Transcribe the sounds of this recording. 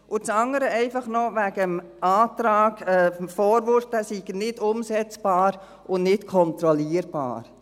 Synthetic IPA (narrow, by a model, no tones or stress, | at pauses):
ʔʊt͡sɑŋəɾəɛɪfɑχnɔʋæɡəm | aːt̪ɾɑːɡɛfɔːɾʋʊɾftəsiɡ̥ənɪdʊmsɛt͡sb̥ɑːɾ | ʔʊnnɪtkʰɔnt̪ɾɔliːəɾb̥ɑ̰ːɾ